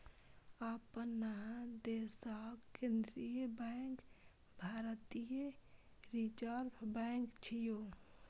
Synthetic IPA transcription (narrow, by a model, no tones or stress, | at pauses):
apənad̪esakẽnd̪ɾijəbɛŋk | bʱaːɾt̪ijeɾit͡ʃaɾpʰbɛŋkt͡ʃʰijo